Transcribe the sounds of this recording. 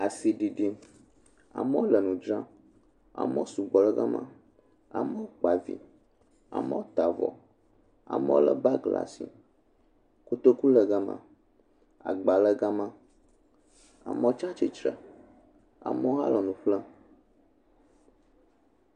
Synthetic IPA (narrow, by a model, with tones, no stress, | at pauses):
a˨si˨ɖi˨ɖi˦ | a̰˨mɛ˦wo˦lə˨nũ˨d͡ʒɾã˦ | a̰˨mə̃˦o˦su˨ɡ͡bɔ˨lə˦ɡa˦mã̰˦ | a̰˨mə˦wo˦k͡pa˨vḭ˨ | a̰˨mə̰˦wo˦t̪a˨vɔ̰˨ | a̰˨mɛ̰˦wo˦lə˦ba˦ɡla̰˨sḭ˨ | ku˦t̪o˦ku˦lə˨ɡa˦mã̰˨ | a̰˨ɡ͡ba˨lə˦ɡa˦mã˦ | a̰˨mə̃˦o˦t͡ʃa˦t͡ʃi˨t͡ʃɾə̰˨ | a̰˨mə˦wo˦ɦa̰˦lɔ˨nũ˨ɸlə˦